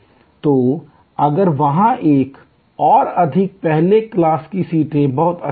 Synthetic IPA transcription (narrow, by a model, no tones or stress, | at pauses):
t̪o | ɐɡəɾʋɐɦãʔeːk | ɔːɾɐd̪ʱɪk̚pɛɦleklaːskisiːʈẽbɐɦʊt̪ɐ̰